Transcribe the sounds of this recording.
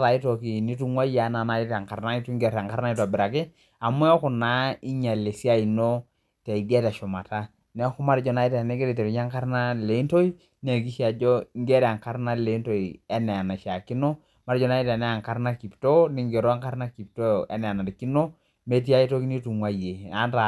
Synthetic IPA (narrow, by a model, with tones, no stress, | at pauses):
ta˨i˦to˨ki˨ni˦tu˨ŋwa˦ja˦na˨na˨i˦ta˨ŋka˨ɾna˦i˦tu˦ŋɡɛ˨ɾa˨ŋka˦ɾna˦i˦tɔ˨bɪ˨ɾa˨kɪ˦ | a˨mʊ˦ɔ˦kʊ˨na˨˦i˦ɲa˨le˨si˦a˦i˨no˦ | tɛ˨i˨di˦a˦ta˨ʃɔ˨ma˨ta˦ | nɛ˦kʊ˦ma˦ɾd͡ʒɔ˨na˨i˦tɛ˨nɛ˦ɡe˦ɾi˨tɛ˨ɾi˨ɲ˦a˦ŋka˦ɾna˦le˨i˦nto˦i˦ | n˦a˨ki˦ʃa˨d͡ʒɔ˦ŋɡe˦ɾa˨ŋka˦ɾna˦le˨i˦nto˨i˨ɛ˦nɛ˨a˨na˨ʃa˨ki˦no˦ | ma˦ɾd͡ʒɔ˨na˦i˦ta˨nɛ˦a˨ŋka˦ɾna˦ki˨pto˦ni˦ŋɡe˨ɾo˦a˦ŋka˦ɾna˦ki˨p̚to˦ɛ̰˦nɛ˨a˨na˨di˨ki˦no˦ | me˦t̬i˦a˦i˦to˦ki˦ni˦tu˨ŋwa˦je˨a˦nta˨